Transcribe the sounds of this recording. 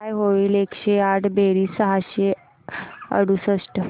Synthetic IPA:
ajɦoʋiːlekɕeaʈʰbeɾiːsəɦaɕe | ə̰ɽusəsʈə

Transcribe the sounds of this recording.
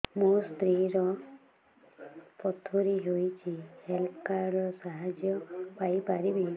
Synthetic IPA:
most̪ɾiɾɔ | pɔt̪ʰoɾiɦojt͡ʃʰihelpʰkaɾɖɔsaɦad͡ʒjɔpajpaɾibi

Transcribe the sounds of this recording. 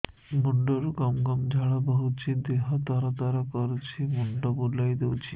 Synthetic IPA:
muɳɖoɾɡɔmɡɔmd͡ʒʱaɭabɔɦut͡ɕʰid̪eɦat̪aɾat̪aɾakɔɾt͡ɕʰimuɳɖɔboɾlajd̪ewt͡ɕʰi

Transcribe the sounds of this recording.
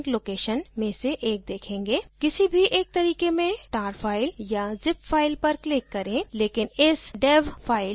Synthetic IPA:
kloːkeːʃənmẽseʔeːk̚d̪eːkʰẽːŋɡeːkɪsibʱiʔeːk̚t̪ɐɾiːkemẽʈaːɾpʰaːɪljad͡ʒɪpfaːɪlpɐɾklɪkːɐɾẽleːkɪnɪsɖeːbpʰaːɪl

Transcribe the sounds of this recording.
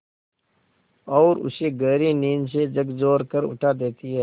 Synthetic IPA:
ɔːɾʊ̰seːɡəːɾiniːnsed͡ʒɐɡzoːɾkəɾʊ̰ʈʰaːd̪eːt̪iɦɛː

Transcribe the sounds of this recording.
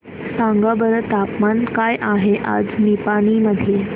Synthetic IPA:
sãŋɡabəɾət̪apmankajʔaɦeʔa̰d͡znipaɽ̃iməd̪ʱje

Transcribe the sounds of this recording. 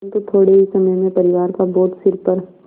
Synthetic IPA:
nt̪ot̪ʰoːɽeɦisɐməjmẽpɐɾɪʋaːɾkabɔːt̪sɪɾpəɾ

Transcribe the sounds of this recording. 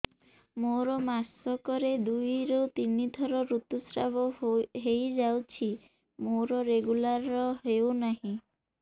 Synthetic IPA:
moɾɔmasɔkɔɾed̪ujɾewt̪inid̪ʱɔɾɔɾut̪usɾabɔɦejd͡ʒawt͡ʃʰi | moɾɔɾeɡulaɾɔɦeonaɦĩ

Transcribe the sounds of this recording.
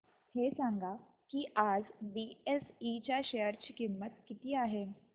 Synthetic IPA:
hesãŋɡʱa | kiːʔad͡zbiesit͡ɕjaɕejəɾt͡ɕiːkimːət̪̚kit̪iːaɦe

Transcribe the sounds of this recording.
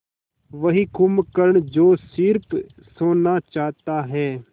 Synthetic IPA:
ʋɐɦikumkəɾɳd͡ʒoːsɪɾp | soːnat͡ʃaːɦt̪aɦɛː

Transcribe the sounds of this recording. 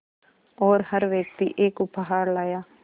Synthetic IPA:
ɔːɾhəɾʋjək̚t̪ḭːʔɪkʊpʰːaɦaːɾlaːjaː

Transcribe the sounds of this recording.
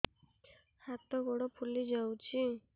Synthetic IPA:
hat̪ɔɡɔɽɔpʰulid͡ʒawt͡ʃʰi

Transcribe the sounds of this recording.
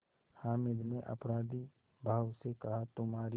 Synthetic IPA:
haːmɪd̪neʔɐ̰pɾaːd̪i | bʱaːʋsekɐɦat̪ʊmɦaːɾi

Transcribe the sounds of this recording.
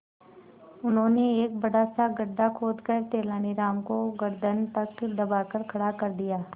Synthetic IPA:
ʊnɦõːneeːk̚bɐɽasaɡɐɾd̪akʰoːd̪kəɾt̪eːlaːniɾaːmkoɡɐɾd̪ənt̪ɐkd̪ɐbaːkɐɾkʰɐɽakɐɾd̪ijaː

